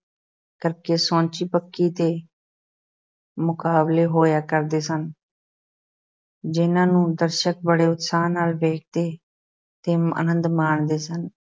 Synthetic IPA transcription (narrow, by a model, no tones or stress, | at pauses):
kəɾkeːsõːt͡ʃiːpəkːiːt̪eː | mʊkaːbleːɦoːjaːkəɾd̪eːsən | d͡ʒɪnãːnũːd̪əɾʃək̚bəɽeːʊt̪saːnːaːlʋeːk̚ʰd̪eː | t̪eːə̰nə̃nd̪maːɳd̪eːsən